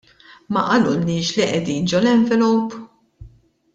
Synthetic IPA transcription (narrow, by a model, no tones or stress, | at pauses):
mɐʔɐlʊnɪːʃliʔɛd̪iːnd͡ʒɔlɛɱvɛlɔwp